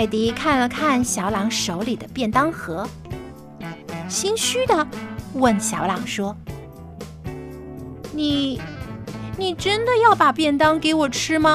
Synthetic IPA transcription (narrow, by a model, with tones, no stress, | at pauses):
ɪt̪i˥kʰa˥˩nlə˩kʰa˥˩nɕjɑ˧˥ʊlɑ˧˥ŋʂo˧˥ʊli˨˩d̪ə˦pjɛ˥˩nt̪ɑ˥ŋxɤ˧˥ | ɕi˥nɕy˥d̪ə˨wə˥˩nɕjɑ̰˧˥ʊlɑ˧˥ŋʂwɔ˥ | ni˨˩ | ni˨˩ʈ͡ʂə˥nd̪ə˨jɑ˥˩ʊpa˨˩pjɛ˥˩nt̪ɑ˥ŋke˧˥ɪwɔ˨˩ʈ͡ʂʰɻɻ̩˥mɐ˨